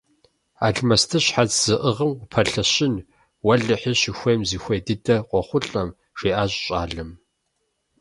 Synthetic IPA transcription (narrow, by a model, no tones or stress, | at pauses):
a̰ːɮmɐstʰɨɕħat͡sz̥ɨʔəʁəmʷʊpʰɐɬɐɕɪn | wɐɮɨħɪɕɪxʷeːmziːxʷeːdɨdɐqʷʼɔχʷʊɬʼɐm | ʂeːʔaːɕʼɕʼa̰ːɮɐm